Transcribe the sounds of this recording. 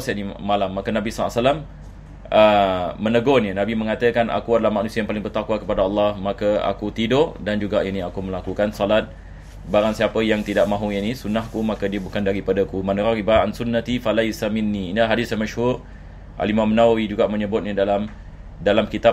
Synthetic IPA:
saʔnimalamːakənabisɔa̰ʔsalam | ʔəːənəɡɔnənabimə̃ŋat̪əkanʔa̰kuadalahmanusiəjaŋpalɪŋbərt̪akwakəpadaɑlːɑhmakəa̰kut̪idoʔdand͡ʒuɡaʔiniakuməlakukansɔlat̪̚ | baɾaŋsiapəjaŋt̪idaʔmãɦuinisunahkumakədiəbukandaɾipadakumanəɾaɾibaɾaʔansunːat̪ifalajsaminːiːnilaɦadɪsjamaʃhur | ʔa̰limamənawid͡ʒuɡaʔməɲəbʊt̪̚ɲidalam | dalamkit̪a

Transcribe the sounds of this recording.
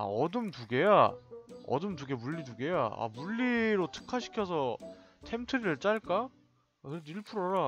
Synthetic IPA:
a̰ʌdɯmtuɡe̞ja | ʌ̰dɯmtuɡe̞muʎːiduɡe̞ja̰a̰muʎːiɾotʰɯ̥kʰaɕʰi̥kʰjʌsʰʌtʰe̞mtʰɯɾiɾɯɭt͡ɕ͈aɭk͈aː | kɯɾeiɭpʰuɾaɾa

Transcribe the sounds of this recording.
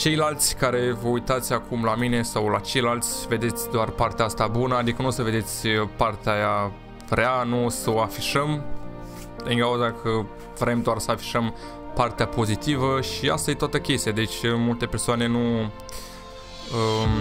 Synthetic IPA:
t͡ʃe̞jlalt̪sʲkaɾe̞vəujt̪at̪sʲakʰumlamine̞sawlat͡ʃe̞jlalt̪sʲve̞d̪e̞t̪sʲd̪oarpart̪eaast̪abunəad̪ikənusəve̞d̪e̞t̪sʲpart̪eaja | vɾeanusəoafiʃəm | ɨŋkauzakʰə | vɾe̞md̪oarsəafi̥ʃəm | part̪eapo̞zit̪ivəʃia̰st̪ajet̪oat̪əkʲest̪ijad̪et͡ʃʲmult̪e̞persoane̞nu | ə

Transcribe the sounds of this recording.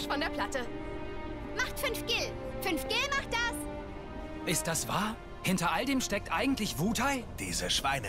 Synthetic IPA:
fɔndeːɐpʰl̥atə | maχtfʏnfɡ̥ɪlfʏnfɡ̥ɪlmaχt̚d̥as | ʔɪst̚d̥asv̥aːɐ | hɪntɐʔaldeːmʃtɛk̚tʔaɪɡŋ̩tlɪçv̥uːthaɪd̥ḭːzəʃv̥aɪnə

